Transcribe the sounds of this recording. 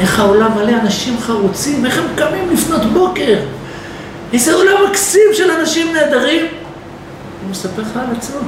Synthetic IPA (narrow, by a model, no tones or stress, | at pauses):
ʔe̞χao̞lamaleanaʃimχaʁut͡sime̞χhemkamimlifno̞t̪bo̞ke̞ʁ | izeolamaksimʃelanaʃimne̞ːd̪aʁim | umesapeʁalat͡smo